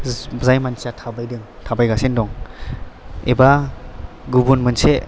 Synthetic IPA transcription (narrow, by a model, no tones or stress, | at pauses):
zajmansiatʰabajdɯŋtʰabajɡasendɔŋ | ḛba | ɡubunmɯnse